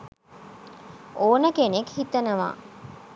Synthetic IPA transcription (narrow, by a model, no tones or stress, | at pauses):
oːnəkenekhit̪ɐnɐʋa̰ː